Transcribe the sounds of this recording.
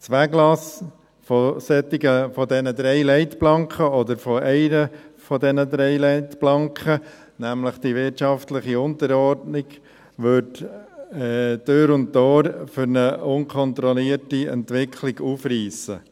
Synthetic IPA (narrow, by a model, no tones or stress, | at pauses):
t͡sʋæɡlɑs | fɔsɛtɪɡəfɔd̪ɛnəd̪ɾɛɪlɛɪt̪plɑŋkʰəɔd̪əɾfɔɛɪnəfɔd̪ɛnəd̪ɾɛɪlɛɪt̪plɑŋkχə | næmləχd̥iʋɪtt͡ʃɑftləχiʊnt̪əɾɔɾdnɪɡ | ʋøt | ɛd̥øɾʊnttːɔːɾfʏɾnəʊnkʰɔnt̪ɾɔliːəɾtiɛ̰nt̪ʋɪkʰχliɡuːfriːsə